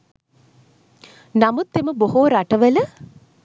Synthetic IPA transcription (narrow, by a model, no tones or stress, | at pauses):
namut̪ːeməboɦoːɾaʈəʋələ